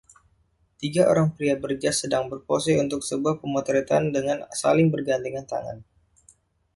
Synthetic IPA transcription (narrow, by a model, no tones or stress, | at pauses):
t̪iɡaʔo̰ɾaŋpɾiabərd͡ʒasːədaŋbərposɛunt̪ʊksəbuahpəmot̪ɾit̪andəŋansa̰lɪŋbərɡant̪iŋant̪a̰ŋa̰n